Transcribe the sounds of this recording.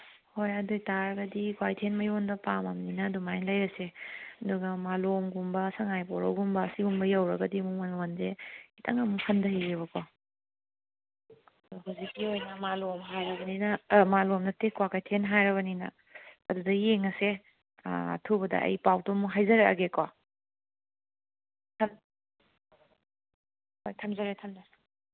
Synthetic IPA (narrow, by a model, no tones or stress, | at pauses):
hojɐdojtaɾɐɡɐdikwajtʰenmɐjondɐpamɐmninɐdumajnlɐjɾɐseɐduɡɐmalomɡumbɐsɐŋajpɔɾɐ̰wɡumbɐːsiɡumbɐjɐwɾɐɡɐdimumanlwanzehitʰɐŋɐmhʰɐndɐhiɡeβɐkɔ | tuɦawzikːiojnɐmalomɦajɾɐbɐninɐmalomnɐtekwakajtʰenɦajɾɐβɐninɐ̰ | ɐdudɐjeŋɐsḛ | ɐ̰tʰubɐdɐ̰ɐ̰jpawtomuɦajzɐɾeɐ̰ɡeka | tʰɐm | hojtʰɐmzɐɾetʰɐmdɐ